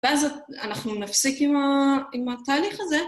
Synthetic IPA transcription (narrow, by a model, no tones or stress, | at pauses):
veazaanaχnunafsikimaimat̪aːliχaze